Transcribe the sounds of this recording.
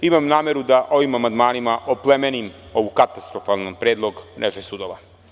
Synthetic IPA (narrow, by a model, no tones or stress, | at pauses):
imamnaːmeɾud̪aʔo̞ʋimamand̪maːnimaʔoplemenim | o̞ʋukat̪ast̪ɾofalnpɾeːd̪lˠo̞ɡnʔeʒesud̪oʋa